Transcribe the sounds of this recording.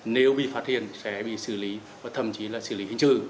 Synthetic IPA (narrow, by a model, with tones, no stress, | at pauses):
ne˨˦wɓḭ˧˨faː˦˥t̚hi˧˨ənsɛ˨˦ɓḭ˧˨sɨ˧˩li˨˦ | vaː˨˩t̪ʰə˧˩mt͡ɕi˨˦laː˨˩sɨ̰˧˩˨li˨˦hi˧˨ŋsɨ̰˧˩